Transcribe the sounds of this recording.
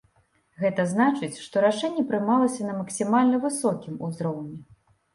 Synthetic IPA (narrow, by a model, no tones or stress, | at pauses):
ɣɛt̪ɐznat͡ʂɨt͡sʲʂt̪ɔɾaʂɛnʲːɛpɾɨmalˠɐsʲɐnɐmɐksʲimalʲnɐvɨsɔkʲimuzɾɔwnʲɛ